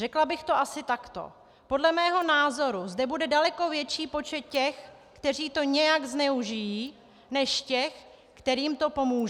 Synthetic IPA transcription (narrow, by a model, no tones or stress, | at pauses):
rɛklabɪxt̪o̞ʔasɪt̪akt̪o̞̰ | po̞dlɛmɛːɦo̞naːzo̞ɾuzdɛbudɛdalɛko̞vjɛt͡ʃiːpo̞t͡ʃɛt̪̚cɛx | kt̪ɛr̝iːt̪o̞ɲɛjaɡznɛuʒɪjiː | nɛʃcɛx | kt̪ɛɾiːmt̪o̞po̞muːʒ